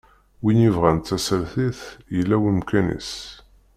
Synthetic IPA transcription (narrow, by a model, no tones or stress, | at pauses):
winivʁænt̪ːæsəɾθiθjəlːæwəmkænḭs